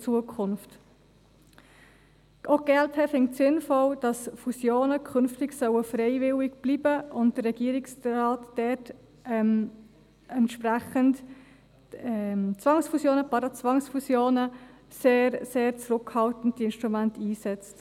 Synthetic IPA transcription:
t͡suəkʰχʊnft | ʔoɡɛlthɛfɪŋtsɪnfɔld̥ɑsfusjoːnəkʰʏnftɪɡsœwəfɾɛɪvɪlɪɡ̥b̥liːbəʔʊnt̚d̥ərɛɡ̥iːəɾɪksɾɑːtd̥ɛt | m | ɛntʃpɾæχənt | ɛt͡svɑŋsfusjoːnəpɑɾɑt͡svɑŋsfusjoːnə | seːɾseːɾt͡sɾʊkhɑltən̩tdiɪnʃtɾumæntiːsɛt͡st

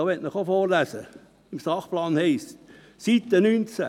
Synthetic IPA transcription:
ɑːʋɛtnəχofoːrlæsə | ɪmsɑχplɑːnhɛɪst | sit̪ːənynt͡sæ̰

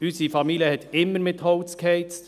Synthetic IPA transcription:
ysifɑmiljəhɛt̪ɪmːəɾmɪt̪hɔʊt͡skhɛɪt͡st

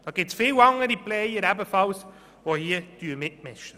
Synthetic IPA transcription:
d̪̥ɑːɡ̥ɪtsfɪːwɑŋəɾiplɛjəɾæbəfɑls | ʋohiəd̥yəmɪt̚mɪʃtə

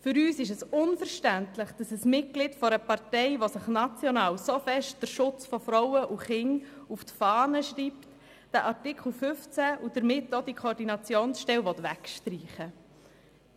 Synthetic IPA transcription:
fʏɾyːsɪʃ̬ɛsʊnfəɾʃtæntləχd̥ɑsəsmɪt̚ɡ̥lɪtfɔɾəpɑɾtɛɪʋosəχnɑt͡sjɔnɑːwsofɛʃt̚d̥əɾʃʊt͡sfɔfɾɔwəʔuχɪŋuftfɑːnəʃɾiːpt | d̥əʔɑɾtɪkχl̩fʏft͡sæʔud̥əɾmɪtːod̥ikʰoɾdinɑt͡sjoːnsʃtɛwʋɔt̪ʋækʃtɾiːχə

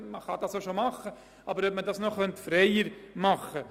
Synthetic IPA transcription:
məχɑdɑːsoʃomɑχə | ɑːbəɾœp̚mədɑːsnoχœntfɾeɪəɾmɑχə

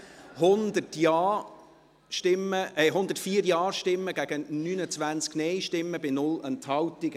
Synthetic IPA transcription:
hʊnd̪ətjɑː | ʃtɪməɛɦʊnd̪ətfiːəɾjɑːɾʃtɪmːəɡ̥æɡ̥ənyːnət͡sʋænt͡sknɛjʃtɪmːəbɪnʊlɛnthɑwtiɡ̥ə

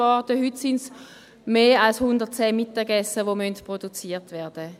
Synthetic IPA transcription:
ɑʁtəhytsɪns | meːalshʊndəʁt̚t͡sɛːmitəɡɛsəʋomœntpʁodut͡siːtʋɛːɐd̥ə

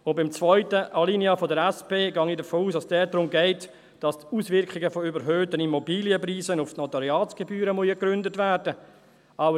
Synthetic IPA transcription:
ʊnbɪmt͡svɔʏtəʔalinjəfɔdəɾɛspeːɡɑŋidəfoːuːsdɑsd̥ɛːdɾʊmɡɛɪt | d̥ɑstuːsvɪɾkχɪɡəfɔybəɾɦøːtənimɔbiːljəpriːsənʊftnɔtaɾjɑːt͡sɡ̥ebyːɾəmɔjəkɾʏndətvæːrdə | ɑʊ

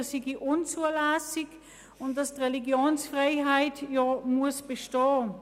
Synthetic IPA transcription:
siɡiʔʊnt͡suːəɐlasɪk | ʊntdastʁeliɡjoːnsfʁaɪhaɪtjomuɐsb̥eʃtɔː

